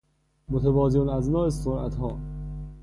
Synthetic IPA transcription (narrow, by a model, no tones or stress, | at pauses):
mot̪ʰebɒːzonæznɒːesoɾʔæ̰t̪hɒː